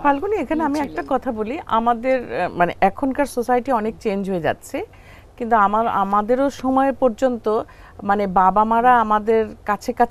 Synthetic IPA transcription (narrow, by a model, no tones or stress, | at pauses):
palkuniekʰaneamiɛk̚ʈakɔt̪ʰaboliʔa̰mad̪eɾmanḛʔɛkʰonkaɾsosajʈiɔnek̚t͡ɕend͡ʑɦoed͡ʑa̰tːɕʰe | kint̪uamaɾa̰mad̪eɾoʃɔmɔepɔɾd͡ʑont̪o | manebabamaɾaamad̪eɾkat͡ɕʰekat͡ɕʰ